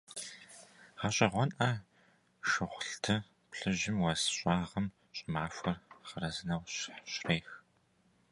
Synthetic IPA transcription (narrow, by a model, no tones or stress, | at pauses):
ʁɐɕʼɐʁʷɔnʔɐ | ʃɨχʷʊɬtʰɨ | pɬɨʑɪmwɐsɕʼɑːʁɐm | ɕʼɪmaːfʷɐrχərɐzɨnɐwɕħɕreːx